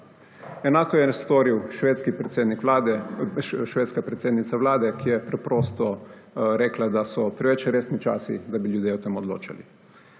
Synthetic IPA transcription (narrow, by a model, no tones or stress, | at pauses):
ɛnaːkɔjɛst̪oːɾiwʃʋeːt̪skip̪ːd̪niklad̪ɛ | ʃʋeːt̪skapɾɛt̪sʲeːd̪nit̪saʋlaːd̪ɛkʰijɛpɾɛpɾoːst̪ɔɾɛːklad̪asɔpɾɛʋɛt͡ʃɾeːsnit͡ʃa̰ːsḭd̪abiljuːd̪jeːɔt̪emɔd̪lo̰ːt͡ʃa̰lḭ